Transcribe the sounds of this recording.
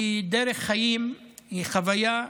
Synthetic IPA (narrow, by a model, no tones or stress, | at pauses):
id̪eɾeχːajimhiχavaja